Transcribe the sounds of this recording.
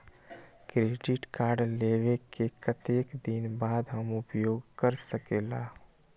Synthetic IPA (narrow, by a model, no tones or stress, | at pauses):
kɾeɖɪʈkaːɾɖleʋekekət̪eːkd̪inbaːd̪ɦəmʊpjoːɡkəɾsəkeːlaː